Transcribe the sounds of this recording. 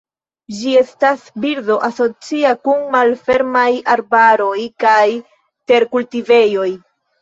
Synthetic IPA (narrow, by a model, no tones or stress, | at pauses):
d͡ʒie̞stasbiɾdo̞ʔaso̞t͡siakunmalfe̞ɾmajaɾbaɾo̞jkaj | te̞ɾkultive̞jo̞j